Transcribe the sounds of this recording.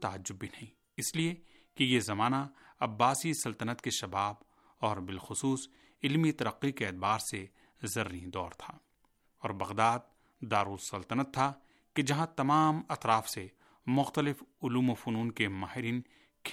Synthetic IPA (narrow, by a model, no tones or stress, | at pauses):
t̪aːəd͡ʒːʊbːinɐɦĩː | ɪslie | kejezɐmaːnaɐbːaːsisɐlt̪ənət̪keʃɐbaːb | ɔːɾbɪlxʊsuːs | ɪlmit̪ɐɾəqːikeːt̪̚baːɾse | zɐɾid̪ɔːɾt̪ʰaː | ɔːɾbɐɣd̪aːd̪̚ | d̪aːɾuːɾsɐlt̪ənət̪ʰːa | ked͡ʒɐɦãt̪ɐmaːmɐt̪ɾaːfse | mʊxt̪əlɪfʊluːmofʊnuːnkemaːɦɪɾiːn | kʰ